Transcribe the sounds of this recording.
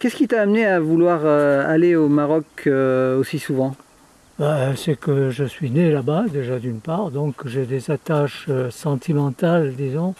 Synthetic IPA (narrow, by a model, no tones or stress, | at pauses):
kʲɛskʲit̪aːmneavulwaʁøaleomaʁɔkøosisuvɑ̃ | basɛkəʒəsɥinelabad̪eʒad̪ynpaʁd̪ɔ̃kʒed̪ezat̪aʃøsɑ̃t̪ʰimɑ̃t̪ald̪izɔ̃